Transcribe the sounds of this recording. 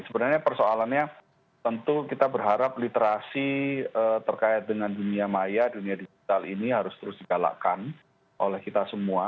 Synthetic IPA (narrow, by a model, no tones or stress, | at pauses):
səbənarɲapərsoalanɲa | t̪ənt̪ukit̪abərɦaɾap̚lit̪eɾasiət̪ərkaɪt̪̚dəŋanduniamajaduniadiɡit̪aliniɦaɾʊst̪əɾʊsdiɡala̰kan | ʔo̰lɛhkit̪asəmua